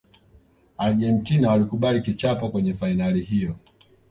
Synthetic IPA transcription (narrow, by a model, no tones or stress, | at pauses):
aɾɡɛntinawalikuɓalikit͡ʃapɔkwɛɲɛfainalihijɔ